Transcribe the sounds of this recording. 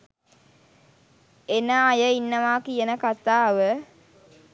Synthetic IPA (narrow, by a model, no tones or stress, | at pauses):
enəːjəinːəʋaːkijənəkat̪aːʋə